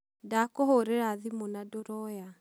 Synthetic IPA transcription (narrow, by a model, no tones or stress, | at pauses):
dakɔɦoɾeɾaðimonadoɾɔja